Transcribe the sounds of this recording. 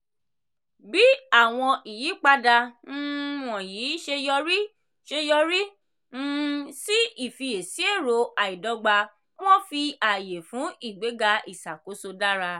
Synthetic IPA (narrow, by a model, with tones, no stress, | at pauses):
bi˦a˦˨w̃ɔ̃˧ʔi˨ji˨˦k͡pa˧da˧ñ̩˦wɔ̃˨jiː˨˦ʃe˧jɔ˧ɾi˦ | ʃe˧jɔ˧ɾi˦ | n̩˦si˦i˦˨fi˧je˨si˨˦e˦˨ɾo˨˧˦a˨i˨dɔ˧˦ɡ͡ba˧ | w̃ɔ̃˦fi˧a˨je˨fũ˨˦i˦˨ɡ͡be˨˦ɡa˧i˦˨sa˨ko˨˦so˧da˦ɾa˧